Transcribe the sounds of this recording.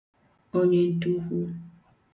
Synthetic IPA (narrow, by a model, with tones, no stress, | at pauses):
o˦ɲe˦n̩˦tu˦ɦʷu˦